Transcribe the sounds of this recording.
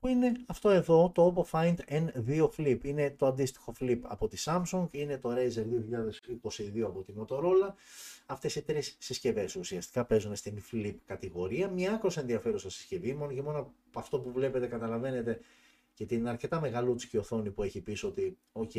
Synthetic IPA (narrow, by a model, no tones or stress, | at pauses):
puine̞ɐft̪o̞e̞ðo̞t̪oopofɐjnd̪enðio̞flipine̞t̪o̞ɐnd̪ist̪i̥xo̞flipɐ̰po̞t̪isɐmsuŋɡine̞t̪o̞ɾejzeɾðioçiʎɐðe̞siko̞siðioɐpo̞t̪imo̞t̪o̞ɾo̞lɐɐft̪e̞sit̪ɾisːisce̞ve̞susiɐst̪i̥kɐpe̞zunest̪inflipkɐt̪iɣo̞ɾiɐmɲɐɐkɾose̞nðiɐfe̞ɾusɐsi̥sce̞vimo̞nocemo̞no | ɐft̪o̞puvle̞pe̞t̪e̞kɐt̪ɐlɐve̞ne̞t̪e̞ | ce̞t̪inɐɾce̞t̪ɐme̞ɣɐlut͡si̥cio̞θo̞nipue̞çipiso̞t̪i | oce